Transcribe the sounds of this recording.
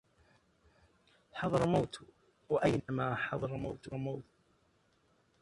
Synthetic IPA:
ħɑðˤɑɾˤmawt̪ | waʔajnamaːħɑðˤɑɾˤmawt̪wamawt̪

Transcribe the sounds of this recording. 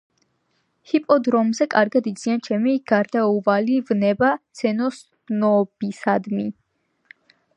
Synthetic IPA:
hipʼɔd̪ɾɔmzɛkʼaɾɡad̪id̪z̥iant͡ʃʰɛmiɡ̥aɾd̪auvalivnɛbat̪sʰɛnɔs | nɔbisad̪mi

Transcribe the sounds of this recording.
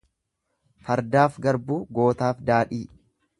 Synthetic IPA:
fɐɾd̪aːfɡɐɾbuːɡo̞ːt̪aːfd̪aːᶑiː

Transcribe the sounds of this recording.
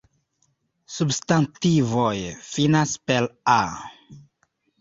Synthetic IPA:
substantivojfinaspela

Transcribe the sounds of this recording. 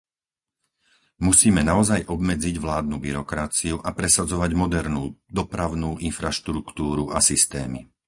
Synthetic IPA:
musiːmɛnaɔzajʔɔbmɛd͡ziɟʋlaːd̪̚nubiɾɔkɾat͡siuʔapɾɛsad͡zɔʋaɟmɔd̪ɛɾnuːd̪ɔpɾaʊnuːʔinfɾaʃt̪ɾukt̪uːɾuʔasist̪ɛ̰ːmḭ

